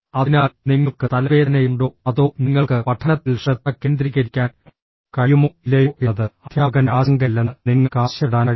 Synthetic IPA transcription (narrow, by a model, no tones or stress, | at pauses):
ɐðinaːlniŋːɐɭkɨt̪ɐlɐʋeːðɐnejuɳɖoːɐðoːniŋːɐɭkɨpɐʈʰːɐnɐt̪ːilʂret̪̚ːɐkːeːnd̪ɾiɣʲɐɾikʲːaːn | kɐjumoilːejuʔeðɨɐd̪ʰʱjaːɣɐnaːsɐŋɡɐlːɐnniŋːɐkaːɕjɐɽaːnɐ